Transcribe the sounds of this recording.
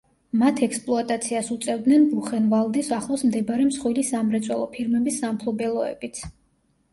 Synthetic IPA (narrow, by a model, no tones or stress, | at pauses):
mat̪ʰɛkspʼlˠɔat̪ʼat̪sʰiasut̪sʼɛvd̪nɛnbuχɛnvalˠd̪isaχlˠɔsmd̪ɛbaɾɛmsχwilisamɾɛt̪sʼwɛlˠɔpʰiɾmɛbisːampʰlˠɔbɛlˠɔɛ̰bit̪sʰ